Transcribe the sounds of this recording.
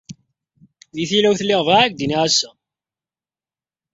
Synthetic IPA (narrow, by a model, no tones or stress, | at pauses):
ðiθilæwθlːɪʁvaʕæk̚d̪iniʕasːæ